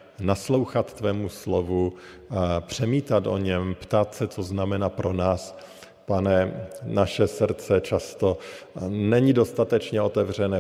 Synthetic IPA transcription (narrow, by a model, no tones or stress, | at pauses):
naslo̞wxat̪ːvɛːmuslovu | pr̝̥ɛmiːt̪at̪ʔo̞̰ɲɛmpt̪at̪sɛt͡soznamɛnaːpɾʔo̞naːs | panɛnaʃɛsr̩t͡sɛt͡ʃast̪o | nɛɲido̞st̪at̪ɛt͡ʃɲɛo̞t̪ɛvr̝ɛnɛː